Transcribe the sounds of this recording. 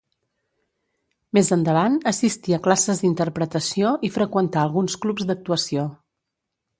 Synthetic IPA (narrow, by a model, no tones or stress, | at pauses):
mezənd̪əβ̞anəsist̪iəklasəzd̪int̪əɾpɾət̪əsioʔifɾəkwənt̪aəlˠɣunsklupzd̪ək̚t̪uəsio